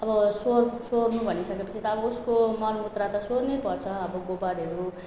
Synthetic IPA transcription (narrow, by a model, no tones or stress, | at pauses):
ʌbʌsorsornubʱʌnisʌkepʌt͡sʰit̪ʌːbʌuskomʌnut̪rat̪ʌsornepʌrt͡sʰʌːbʌɡobaɾiɦʌɾu